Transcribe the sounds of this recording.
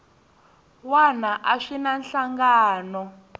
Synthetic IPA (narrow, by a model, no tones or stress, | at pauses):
wanaʔaʂinanɬaŋɡaːnɔ